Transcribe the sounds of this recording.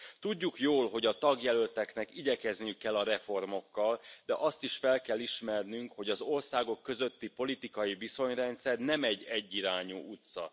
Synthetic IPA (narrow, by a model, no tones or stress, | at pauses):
t̪uɟːukjoːlɦo̞ɟɒt̪ɒɡjɛlølt̪ɛknɛkiɟɛkɛznijykːɛlːɒɾɛfo̞rmo̞kːɒld̪ɛʔɒst̪iʃfɛlkɛlːiʃmɛrnyŋkho̞ɟɒzo̞rsaːɡo̞kːø̞zø̞t̪ːipo̞lit̪ikɒjiviso̞ɲrɛnt̪sɛrnɛmɛɟɛɟːiɾaːɲuːʔut̪sɒ̰